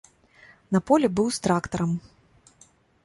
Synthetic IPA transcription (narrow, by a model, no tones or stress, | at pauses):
nɐpɔlʲɛbɨwst̪ɾakt̪ɐɾɐm